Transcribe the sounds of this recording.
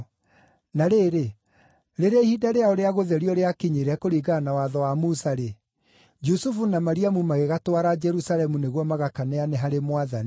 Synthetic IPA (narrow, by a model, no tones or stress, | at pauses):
naɾeːɾe | ɾeɾehiːdaɾeaoɾeaɣoðɛɾiɔɾeakiɲiɾɛkoɾiɣanawaðɔwamusaɾe | d͡ʒusufunamaɾiamumaɣeɣatwaɾad͡ʒɛɾusalɛmuneɣwɔmaɣakanɛanɛɦaɾemwaðani